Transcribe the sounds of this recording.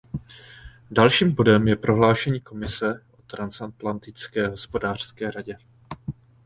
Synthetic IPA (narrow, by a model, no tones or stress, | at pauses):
dalʃiːmbo̞dɛmjɛpɾʔo̞ɦlaːʃɛɲiːko̞mɪsɛʔo̞t̪ɾansat̪lant̪ɪt͡skɛːɦo̞spo̞daːr̝̥skɛːɾaɟɛ